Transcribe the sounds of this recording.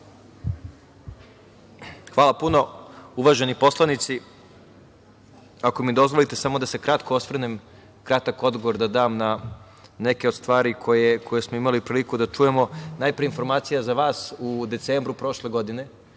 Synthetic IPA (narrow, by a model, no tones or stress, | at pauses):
xʋaːlˠapuno̞uʋaːʒe̞nipo̞slˠanit̪si | akomid̪o̞zʋolit̪e̞samo̞d̪ase̞kɾat̪koosʋr̩nem | kɾat̪ako̞d̪ɡoʋoɾd̪ad̪aːmna | ne̞ke̞ost̪ʋaːɾikʰo̞jekʰo̞jesmo̞imalipɾiːlikud̪at͡ʂuje̞mo̞najpɾijeinfo̞ɾmaːt̪sijazaʋaːsud̪e̞t̪seːmbɾupɾo̞ʃle̞ɡo̞d̪ine̞